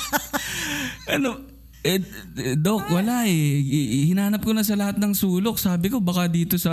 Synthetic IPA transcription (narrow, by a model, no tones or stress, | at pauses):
ʔɐno | ʔɛd̪o̞k̚wɐlaʔɛhɪnahanɐp̚konɐs̬ɐlɐhat̪̚nɐŋsuːlo̞k̚saːbɪko̞bɐkad̪iːt̪o̞sɐ